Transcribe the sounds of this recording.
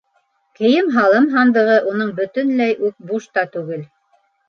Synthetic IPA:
kɘ̆jɘmɦɑlˠɤmɦɑnd̪ɤ̆ʁɤʔunɤɴbɵ̆t̪ɵ̆nlæjʔʉk̚buʃt̪ɑt̪ʉɡɘl

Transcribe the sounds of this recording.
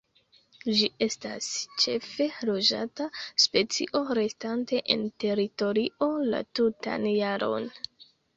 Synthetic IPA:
d͡ʒie̞sta̰st͡ʃe̞fe̞lo̞d͡ʒa̰taspe̞t͡sḭʔo̞ɾe̞stante̞ʔente̞ɾito̞ɾiʔo̞la̰tuta̰njaɾʔo̞̰n

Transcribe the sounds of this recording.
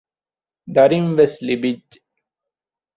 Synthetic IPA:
d̪aɾimʋeslibid͡ʒ

